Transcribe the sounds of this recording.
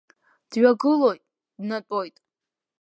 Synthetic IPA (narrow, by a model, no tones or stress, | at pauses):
d̥ɥaɡɨlo̞jtʼ | dnatʼojtʼ